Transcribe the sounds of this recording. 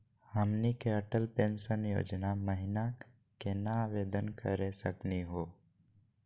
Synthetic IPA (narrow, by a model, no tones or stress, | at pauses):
həmnikeəʈəlpẽːnʃənjo̰ːd͡ʒnaməɦɪna | kenaaːʋeːd̪ənkʰə̰ɾesəkniɦoː